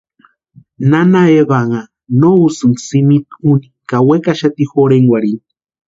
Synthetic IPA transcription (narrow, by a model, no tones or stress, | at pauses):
nanaeβaŋa | nousɨnsimit̪unikawekaʃat̪ixoɾeŋwaɾin